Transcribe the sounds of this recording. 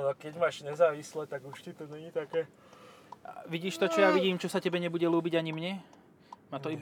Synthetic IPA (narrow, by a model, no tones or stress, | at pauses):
nɔkɛɟmaːʒɲɛzaːʋislɛt̪aɡuʃt̪it̪ɔɲɛɲiːt̪akɛː | ʋiɟiːʃt̪ɔt͡ʃɔjaʋiɟiːmt͡ʃɔsacɛbɛɲɛbuɟɛluːbiɟaɲimɲɛ | maːt̪ɔi